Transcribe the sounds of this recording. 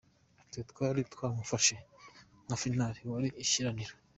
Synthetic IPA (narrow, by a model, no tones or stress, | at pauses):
tet̪kwaːɾitkwaːmufaʃe | ŋafinaɾiwaɾiʔːʃiɾaniɾo